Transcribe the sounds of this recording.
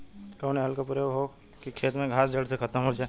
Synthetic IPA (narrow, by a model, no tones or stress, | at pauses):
kəːneɦəlkapɾjoɦo | kikʃeːt̪ɾmẽɡʱaːsd͡ʒəlɖsekʰət̪əmɦod͡ʒaː